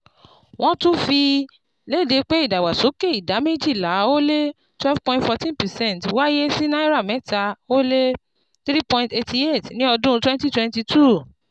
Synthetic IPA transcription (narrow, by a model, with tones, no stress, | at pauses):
w̃ɔ̃˦tũ˦fi˧ | le˦˨de˨˧k͡pe˦i˦˨da˨wa˨so˨˦ke˦˨i˨da˨˦me˦d͡ʒi˦˨la˨˦o˦le˦ | twɛ˦vpɔ̃˧ĩntfɔ˧tĩ˦npɛ˨sɛ̃˦˨ntwa˦je˦si˦nã˦i˦ɾa˦˨mɛ̃˨˦ta˧o˦le˦ | θɾi˦pɔ̃˧ĩnte˧ti˧e˦˨tnĩ˦ɔ˧dũ˦˧twɛ̃˦nti˦twɛ̃˧nti˧tʰu˦˨